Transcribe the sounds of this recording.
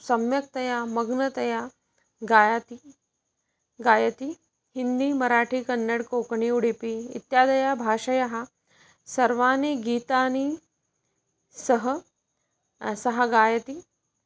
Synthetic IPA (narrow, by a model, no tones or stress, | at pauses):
sɐmjɐk̚t̪ɐjamɐɡnɐt̪ɐja | ɡaːjat̪i | ɡaːjɐt̪i | hind̪iːmɐɾaːʈʰiːkɐnːɐɽkoːkɳiːuɽipiḭt̪jaːd̪ɐjabʱaːʂɐjaɦa | sɐɾʋaːniɡiːt̪aːni | sɐɦə | sɐɦaɡaːjɐt̪i